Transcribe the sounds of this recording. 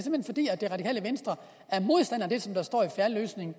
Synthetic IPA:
se̝m̥henfɒ̽d̥ḭːæ̥d̥e̝ʁɑ̈ɾ̥ikʰɛ̰ːləʋensd̥ʁɐ | æɐmo̝ð̞ˠsd̥æn̰ɐd̥e̝sɒ̽md̥ɑ̈sd̥ɒ̰ːifæɐlø̰ːsne̝ŋ̩

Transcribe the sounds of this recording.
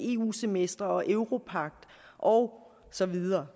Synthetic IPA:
e̝ːṵːse̝mesd̥ʁɐɒ̽ʔøʊʁo̝pʰɑ̈ɡ̥̚d̥ | ʔɒ̽ʊ | sɒ̽ʋiðˠɐː

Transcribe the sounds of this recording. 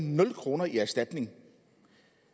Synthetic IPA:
nɔ̽lkʰʁo̝ːnɐiæɐsd̥æd̥ne̝ŋ

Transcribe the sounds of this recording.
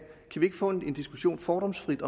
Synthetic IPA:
kʰæʋie̝ɡ̥əfɔ̽ne̝nd̥isɡ̥u̥ɕo̝̰ːnfɒːɾ̥ɒ̽msfʁid̥ɒ̽

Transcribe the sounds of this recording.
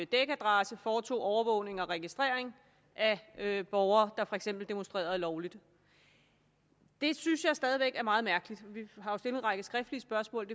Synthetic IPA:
d̥eɡ̥æd̥ʁɑ̈səfɒːt͡sʰo̝̰ːɒʊɐʋɔ̽ʊne̝ŋɒ̽ʁɛɡ̥isd̥ʁeɐ̰e̝ŋ | ʔæb̥ɒʊɐːd̥ɑ̈fɒ̽e̝ɡ̥sem̰b̥l̩d̥e̝mo̽nsd̥ʁḛːɐðˠlɒʊlid̥ | d̥e̝synsjɑ̈ɪsd̥ɛːð̞ˠiʋeɡ̥æɐmɑ̈ːðˠmæɐɡ̥əlid̥ʋiɦɑ̈jo̝sd̥e̝ləenʁɑ̈ɡ̥əsɡ̥ʁɛfd̥liəsb̥ɶɐsmɔ̰ːld̥e

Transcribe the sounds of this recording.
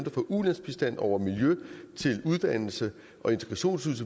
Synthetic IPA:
nd̥ɐfɒ̽ʔuðˠlæn̰sb̥isd̥æn̰ɒʊ̰ɐmiljøt͡sʰe̝luð̞ˠd̥æn̰l̩sə | ʔɒ̽e̝nt͡sʰɡ̥ʁɑ̈ɕo̝̰ːnsuðˠsə

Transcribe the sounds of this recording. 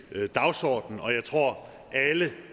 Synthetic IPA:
d̥ɑ̈ʊsɒ̰ːd̥n̩ɒ̽jɑ̈ɪt͡sʰʁo̝ɐ̰ | ʔælə

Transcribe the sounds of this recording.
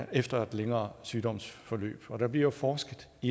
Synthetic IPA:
ʔefd̥ɐæd̥leŋɐːsyːd̥ɒ̽m̰sfɒ̽lø̰ːb̥ɒ̽ɾ̥ɑ̈b̥liɐ̰jofɒːsɡ̥ð̩ˠ | i

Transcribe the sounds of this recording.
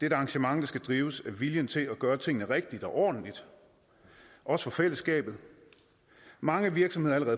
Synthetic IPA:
d̥edɑ̈ŋɕəmɑ̈ŋd̥ɑ̈sɡ̥æd̥ʁiːʊsæʋiljənt͡sʰe̝læɡ̥ɶːɐt͡sʰe̝ŋ̰nəʁɛɡ̥̚d̥id̥ɒ̽ʔɒ̰ːd̥n̩lid̥ | ʔɒ̽sə̥fɒ̽fel̰əsɡ̥ɛ̰ːb̥ð̞̩ˠ | mɑ̈ŋəʋiɐɡ̥sɒ̽mhe̝ðˠɐæləʁɛːðˠ

